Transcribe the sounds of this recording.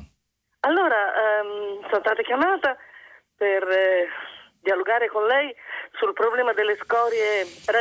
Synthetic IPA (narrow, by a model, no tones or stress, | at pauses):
alːoːɾamsonst̪aːt̪akjamaːt̪aper | d̪jialoɡaːɾekonlɛjsulpɾoblɛːmad̪elːeskɔːɾjepɾ